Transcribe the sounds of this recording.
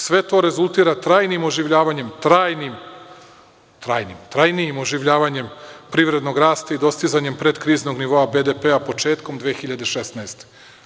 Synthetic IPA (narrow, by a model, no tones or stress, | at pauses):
sʋe̞t̪o̞ːɾe̞zulˠt̪iːɾat̪ɾaːjnimo̞ʒiʋʎaːʋaɲe̞mt̪ɾaːjnim | t̪ɾaːjnimt̪ɾajnijimo̞ʒiʋʎaːʋaɲe̞mpɾiʋɾe̞d̪no̞ɡɾaːst̪aid̪o̞st̪izaɲempɾe̞d̪kɾiːzno̞ɡniʋo̞abed̪epeapo̞t͡ʃe̞ːt̪ko̞md̪ʋeːxiʎad̪e̞ʃesnaest̪e̥